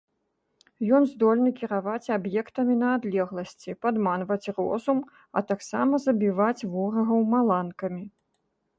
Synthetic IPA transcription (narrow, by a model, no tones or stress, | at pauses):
jɔnzd̪ɔlʲnɨkʲiɾavat͡sʲabjɛkt̪ɐmʲinɐːd̪lʲɛɣlˠɐsʲt͡sʲipad̪manvɐt͡sʲrɔ̰zum | ɐ̰t̪aksa̰mɐzɐbʲivat͡sʲvɔɾɐɣɐwmalˠankɐmʲi